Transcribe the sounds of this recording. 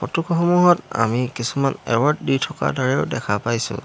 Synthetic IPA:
pɔtukʰɔxɔmuɦɔta̰mikisumanɛwɔɹtditʰɔka̰daɹɛʊdɛkʰapajsʊ̰̃

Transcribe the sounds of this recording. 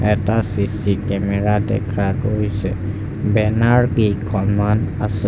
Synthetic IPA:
ɛtasisikɛmɛɹadɛ̰kʰaɡojsɛ | bɛnaɹkikʰɔmanasɛ

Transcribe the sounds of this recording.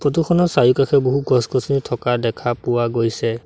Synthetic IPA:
pɹɔt̬uxʰɔnɔsajukakʰɛboɦuɡɔskɔsʰnitʰɔkadɛkʰapuwaɡojsɛ

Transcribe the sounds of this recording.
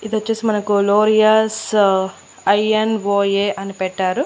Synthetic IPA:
id̪iɐt͡ʃːeːsimɐnɐkuloːɾijaːs | ɐjɐnʋoːjeːʔɐnipɛʈːaːɾu

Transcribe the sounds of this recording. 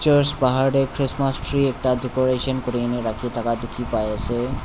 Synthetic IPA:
t͡ʃɔɾspaɦaɾɖekʰɾismasʈɾiɛk̚ʈaɖekoɾeʃɔnkoɾineɾakʰiʈakad̪ekʰipajasʰe

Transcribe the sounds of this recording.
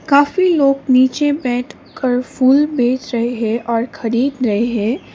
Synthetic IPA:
kaːfiloːɡniːt͡ʃebɛːʈʰ | kəɾfuːlbeːt͡ʃɾɐɦeɦɛ̃ʔɔːɾxɐɾiːd̪ɾɐɦeɦɛ̃ː

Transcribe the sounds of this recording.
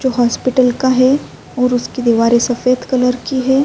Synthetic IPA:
d͡ʒoːɦaːspɪʈəlkaɦɛ | ɔːɾʊskid̪iʋaːɾesɐfeːd̪kɐləɾkiɦɛː

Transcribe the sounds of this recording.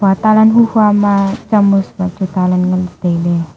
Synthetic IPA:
b̥at̪alanɦuhamat͡ʃəmusbat͡ʃut̪alanŋəld̪̥ele

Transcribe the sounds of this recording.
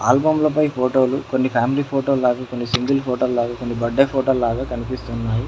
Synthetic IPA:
aːlbɐmlɐpɐjpʰoːʈoːlukonːipʰaːmiliːpʰoːʈoːlaːɡaːko̞nːisiŋɡɐlpʰoːʈoːllaːɡaːkonːibɐɖːɐpʰoːʈoːllaːɡaːkɐnipist̪unːaːji

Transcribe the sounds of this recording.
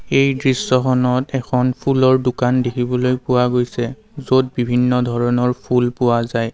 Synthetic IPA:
ejdɹisːɔxɔnɔtɛkʰɔnpʰulɔɹdʊkandekʰibɔlojpʊwaɡojsɛ | zot̚bibʱinːɔdʱɔɹɔnɔɹpʰulpʊwazaj

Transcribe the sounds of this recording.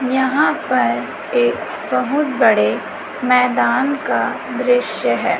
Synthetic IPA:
jɐɦãpɐɾ | eːk | bɐɦʊt̪bɐɽe | mɛːd̪aːnka | d̪ɾɪʃjəɦɛː

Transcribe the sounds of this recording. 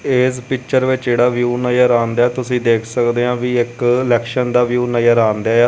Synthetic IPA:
eːspɪkt͡ʃəɾʋɪt͡ʃd͡ʒeːɽaːʋjuːnəjəɾaːnd̪ɛːt̪ʊsĩːd̪eːkʰsəkd̪eːãːʋiːɪklɛːkʃənd̪aːʋjuːnəjəɾaːnd̪aːaː

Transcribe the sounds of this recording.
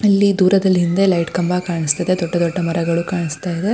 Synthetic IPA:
ɐlːid̪uːɾɐd̪ɐlːɦind̪elɐjʈkɐmbakaːɳist̪ɐd̪ed̪ɔɖːɐd̪ɔɖːɐmɐɾɐɡɐɭukaːɳist̪aːjid̪e

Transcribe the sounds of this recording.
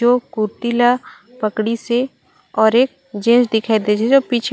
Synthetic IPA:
okʊɾt̪ila | pəkɽise | ɔːɾeːk̚ | d͡ʒẽːsd̪ɪkʰaid̪et͡ʃʰed͡ʒopiːt͡ʃʰ

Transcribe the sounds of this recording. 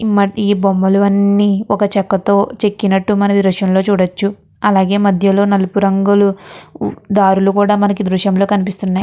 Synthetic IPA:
mɐiːbomːɐluʋɐnːiːɔkɐt͡ʃɛkːɐt̪o̞ːt͡ʃe̞kːinɐʈːumɐnɐʋiɾuʂjɐmlo̞ːt͡ʃuːɽɐt͡ʃːu | ɐlaːɡe̞ːmɐd̪ʱjɐlo̞ːnɐlupuɾɐŋɡulu | d̪aːɾulukuːɽaːmɐnɐkid̪ɾuʃjɐmlo̞ːkɐnip̬ist̪unːaːj

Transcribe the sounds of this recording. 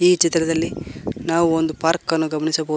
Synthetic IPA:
iːt͡ʃit̪ɾɐd̪ɐlːinaːʋuond̪upaːɾkɐnːuɡɐmɐɳisɐbɐ

